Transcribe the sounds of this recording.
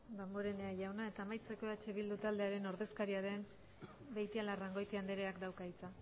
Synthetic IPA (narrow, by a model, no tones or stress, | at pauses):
d̪amboɾe̞neaʝawnae̞t̪aːmajt͡se̞ko̞at͡ʃe̞βild̪ut̪ald̪e̞aɾe̞no̞ɾðe̞skaɾiaɾem | be̞jt̪ialaraŋɡo̞jt̪iand̪eɾeakd̪awkait͡sa